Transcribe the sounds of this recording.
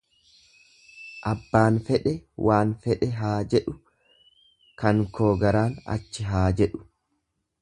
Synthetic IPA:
ʔɐbːaːnfɛᶑɛwʔaːnfɛᶑɛɦaːd͡ʒɛᶑʊ | kɐŋkʰoːɡɐɾaːnɐ̰t͡ʃːɪɦaːd͡ʒɛᶑʊ̥

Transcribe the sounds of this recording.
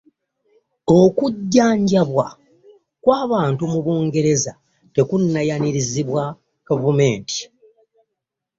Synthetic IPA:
o̞kuɟːaːɲɟaβwa | kwaːβaːntumuβuːŋɡe̞ɾe̞za | te̞kunːajaniɾiziβwa | kavume̞ːnti̥

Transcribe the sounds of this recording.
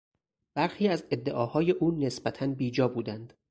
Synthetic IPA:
b̥æɾxiːæze̞d̪ːe̞ʔɒːhɒːje̞ʔuːnesbæt̪ʰænbiːd͡ʒɒːbuːd̪ænd̪̥

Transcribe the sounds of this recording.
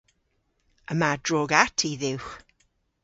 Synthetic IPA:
əmadroːɡatʰiðɪwχ

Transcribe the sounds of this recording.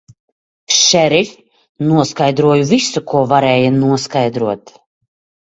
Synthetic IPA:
ʃɛɾlʲ | nuɔskajd̪ɾuɔjuvisukʰuɔvaɾɛːjanuɔskajd̪ɾuɔt̪

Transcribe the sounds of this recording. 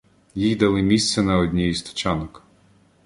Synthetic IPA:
jijd̪ɐlˠɪmʲist̪sʲɛnɐɔdʲnʲɛjist̪ɔ̥t͡ʃɑnɔk

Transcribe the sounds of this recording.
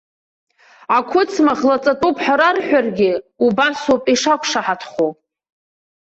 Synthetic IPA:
akʷʰʊt͡sʰmaχlat͡sʼatʼupʰħaɾarħʷᶣarɡʲɪubasopʼiʂakʷʰʂaħatʰχo

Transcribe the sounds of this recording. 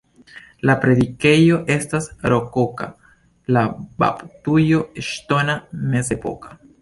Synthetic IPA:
lapɾe̞dike̞jo̞ʔe̞stasɾo̞ko̞ka̰ | laba̰ptujo̞eʃto̞name̞ze̞po̞̰kḁ

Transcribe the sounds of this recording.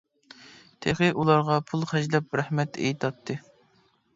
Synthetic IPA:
t̪ʰeχɨʔulˠɑɾʁɑpʰulˠχæʒlɛp̚ɾæhmɛt̪ḛjt̪ʰɑt̪ʰːɨ

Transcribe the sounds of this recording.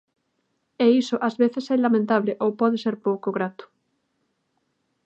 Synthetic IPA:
eisoʔazβeθesɛlamẽnt̪aβleʔowpɔðeseɾpowkoɣɾat̪ʊ̥

